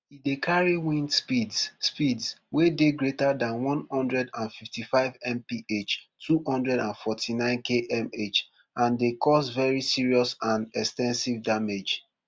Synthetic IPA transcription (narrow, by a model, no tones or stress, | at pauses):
idekʰaɹiwĩnspidsspidswedeɡɹetadãnwɔ̃nhɔ̃ndɹɛdãnfiftifaɪvɛ̃mpiet͡ʃtʰuhɔ̃ndɹɛdãnfɔtʰinãɪ̃nkʰeʔɛmet͡ʃ | ãndekʰɔsvɛɹisiɹiɔsãnɛkstɛ̃nsivdamed͡ʒ